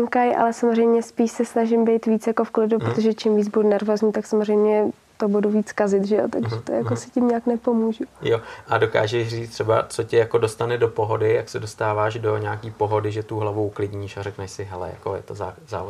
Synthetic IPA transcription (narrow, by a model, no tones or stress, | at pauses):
kajʔa̰lɛsamozrɛjmɲɛspiːʃsɛsnaʒɪmbɛjt̪viːt͡sjako̞fklɪduppɾot̪oʒɛt͡ʃimviːd͡zbudunɛɾvoːzɲiːt̪aksamozr̝ɛjmɲɛ | t̪obuduviːt͡skazɪt̪ʒɛjot̪aɡʒɛt̪ojakosɪcɪmɲaːknɛpo̞muːʒujoʔado̞ka̰ːʒɛʃriːt͡st̪rɛba̰t͡socɛjakodo̞st̪anɛdopo̞ɦodɪjaksɛdo̞st̪aːvaːʒdoɲaːkiːpo̞ɦo̞dɪʒɛt̪uɦlavoklɪdɲiːʃarɛknɛʃsɪɦɛlɛ̰ja̰kojɛ̰t̪ozaːza̰ːvo